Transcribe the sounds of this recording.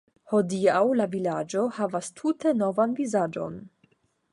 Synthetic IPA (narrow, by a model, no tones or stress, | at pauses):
ho̞diawlavilad͡ʒo̞havastʰute̞no̞vanvizad͡ʒo̰n